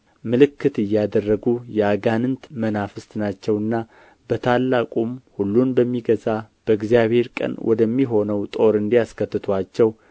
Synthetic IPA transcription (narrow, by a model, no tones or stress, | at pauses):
mɨlɨkːɨt̪ɨjːad̪ərːəɡujɛaɡanɨnt̪mənafɨst̪nat͡ʃːɛwɨnːa | b̥ət̪ʰalːakʼumhulːunbəmːiɡəzab̥əɨɡzijaβhe̞ɾkʼə̰nwʔɔ̰d̪əmːiɦo̞nəwt̪ʼo̞ɾɨnd̪ijaskʰət̪ːɨt̪ʰwat͡ʃːɛw